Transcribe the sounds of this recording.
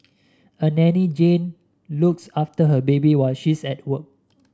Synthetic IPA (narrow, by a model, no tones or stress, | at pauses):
ənɛnid͡ʒẽn | luksaftəɦəbebiwaɪlʃisɛt̚wək̚